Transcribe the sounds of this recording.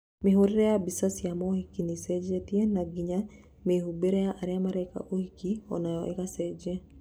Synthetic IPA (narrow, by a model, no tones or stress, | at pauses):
mɪɦoɾɪɾɛabisasjamɔhikinisɛd͡ʒet̪jenaɡiɲa | mehubeɾɛjaʔaɾjamaɾɛka̰ʔohikiɔ̰najɔʔɛ̰kasɛd͡ʒe